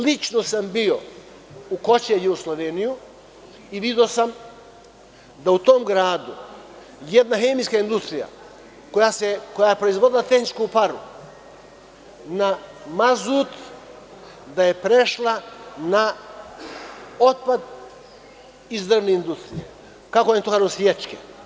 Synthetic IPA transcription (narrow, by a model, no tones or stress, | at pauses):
lit͡ʃnosambio | uko̞t͡ɕejuɡoslˠoʋeniju | iʋid̪o̞sam | d̪aut̪omɡɾaːd̪u | jed̪naxeːmiskaind̪ust̪ɾija̰ | kojaseko̞jajepɾoizʋod̪ilat̪exnit͡ʃkupaɾu | namazut̪ | d̪ajepɾeʃlˠana | ot̪̚pad̪ | izd̪rneind̪ust̪ɾḭjḛ | kakojent̪okaʒesʋjet͡ʃke